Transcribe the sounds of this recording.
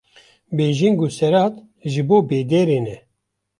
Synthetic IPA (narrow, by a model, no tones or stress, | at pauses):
beːʒiŋɡusɛɾaːt̪ | ʒɨboːbeːd̪eːɾeːnɛ